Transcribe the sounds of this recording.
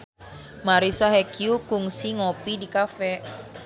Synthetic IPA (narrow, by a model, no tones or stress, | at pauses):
maɾisaɦɛkʰiukuŋsiŋopidikafɛ